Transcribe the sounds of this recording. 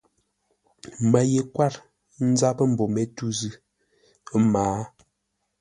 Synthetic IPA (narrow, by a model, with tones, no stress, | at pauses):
ma˨je˨kwa˦ɾ | n̩˦za˦pə˦m̩˨bo˨me˨tu˦zʉ˦ | maː˨˦